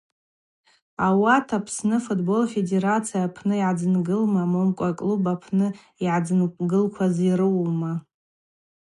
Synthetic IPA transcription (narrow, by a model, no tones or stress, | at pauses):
awatʰapʰsnɨfutʰʼbo̞lfe̞de̞ɾat͡sʰijapʰnɨiʕad͡zɨnɡɨlmamomkʷʼakʼlubapʰnɨ | iʕad͡zɨnɡɨlkʷʰazirɨwma